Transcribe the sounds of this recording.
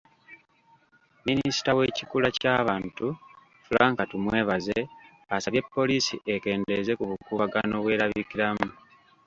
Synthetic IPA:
minisi̥tawe̞cikulacaːβaːntu | fulaːŋkatumwe̞ːβaze̞ | asaβje̞pːo̞lisḭʔe̞ke̞ːnde̞ze̞kuβukuβaɡano̞βwe̞ːɾaβikiɾamu

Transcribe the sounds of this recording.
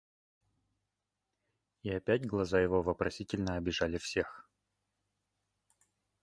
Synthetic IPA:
iɐpʲætʲɡlˠɐzajɪvo̞vəpɾɐsʲitʲɪlʲnəɐbʲɪʐalʲɪfsʲe̞x

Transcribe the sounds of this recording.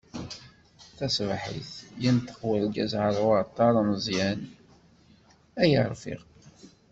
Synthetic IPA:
θæsvħḭθjint̪ːə̥qwælɡæzʕəɾˤwət̪ˤːɑɾˤnəzˤjæn | æjəɾˤfḭʁ

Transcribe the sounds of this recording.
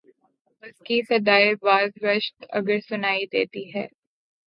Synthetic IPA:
ʊskisɐd̪aːɪbaːzʋəʃt̪ɐ̰ɡəɾsʊnaːid̪eːt̪iɦɛː

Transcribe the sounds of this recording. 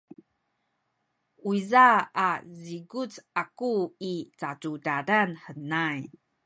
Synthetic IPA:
uizaaziɡut͡sakuit͡satudaɾanħənaj

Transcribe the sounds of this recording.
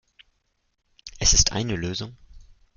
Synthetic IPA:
ʔɛsɪstʔa̰ɪnəløːzʊŋ

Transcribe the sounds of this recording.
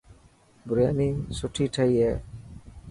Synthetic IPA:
bɾijanisoʈʰiʈʰaje

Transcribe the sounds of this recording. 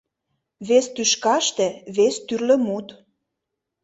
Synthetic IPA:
βest̪yʃkɑʃt̪ĕβest̪yrlə̆mut̪

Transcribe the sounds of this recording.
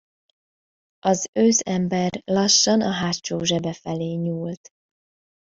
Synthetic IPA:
ɒzøːzɛmbɛrlɒʃːɒnɒɦaːt͡ʃoːʒɛbɛfɛleːɲuːlt̪

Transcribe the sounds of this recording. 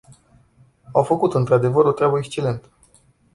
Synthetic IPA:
awfəkut̪ɨnt̪ɾad̪e̞vəɾo̞t̪ɾʲabəekst͡ʃele̞nt̪ə̥

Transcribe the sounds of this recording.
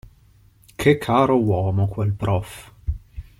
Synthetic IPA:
kʰekʰːaːɾɔwɔːmokwɛlpɾɔf

